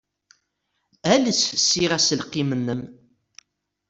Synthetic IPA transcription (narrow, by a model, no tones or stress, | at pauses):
ælət͡sfəsːiʁæsəlqːimənːəm